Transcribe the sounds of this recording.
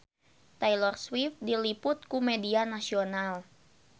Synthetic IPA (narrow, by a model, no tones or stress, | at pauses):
t̪ajlɔrswift̪̚dilipʊt̪̚kumɛdianasional